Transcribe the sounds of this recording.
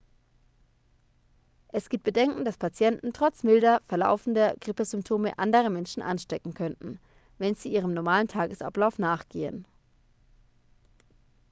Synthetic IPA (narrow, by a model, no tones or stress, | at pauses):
ʔɛsɡ̥iːp̚t̚b̥ədɛŋkŋ̩daspʰat͡sjɛntn̩tʁ̥ɔt͡smɪldɐfɛɐla̰ʊfn̩dɐɡ̥ʁɪpəzʏmp̚tʰoːməʔa̰ndəʁəmɛnʃn̩ʔa̰nʃtɛkŋ̩kʰœntn̩ | vɛnziːʔiːʁ̞əmnɔɐmaːlən̩tʰaːɡəsa̰plaʊfnaːχɡ̥eːə̰n